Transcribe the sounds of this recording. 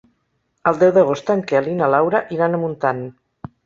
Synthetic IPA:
əlˠd̪ɛwðəɣ̞ost̪əŋkealinalawɾaʔiɾanəmunt̪an

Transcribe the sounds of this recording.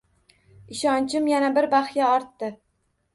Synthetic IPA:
ɪʃɒnt͡ʃʰɪmjanabɪɾbaχjaɒɾt̪ːɪ

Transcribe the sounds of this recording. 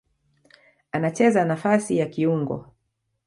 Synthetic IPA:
anat͡ʃɛzanafasijakiuŋɡɔ̰

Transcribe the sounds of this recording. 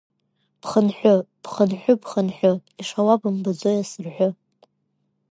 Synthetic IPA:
b̥χənħʷᶣʊb̥χənħʷᶣʊbχənħʷᶣʊiʂawabɨmbɨd͡zojasɨrħʷʊ

